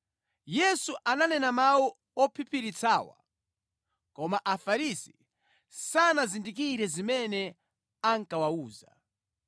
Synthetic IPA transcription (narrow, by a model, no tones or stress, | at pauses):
jɛsuʔananɛnamawu | ɔpʰipʰiɾit͡sʰaːwa̰ | kɔmaʔafaɾisi̥ | sanazindik̬iɾɛzimɛnɛ | aŋkawauːza̰